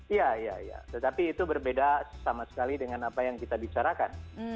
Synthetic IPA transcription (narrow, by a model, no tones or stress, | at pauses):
ijaija̰ija̰t̪ət̪apiːt̪ubərbedasamasə̥kalidəŋanapajaŋkit̪abit͡ʃaɾakan